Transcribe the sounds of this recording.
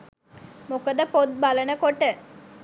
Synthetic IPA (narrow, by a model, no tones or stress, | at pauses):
mokəd̪əpot̪̚balənəkoʈə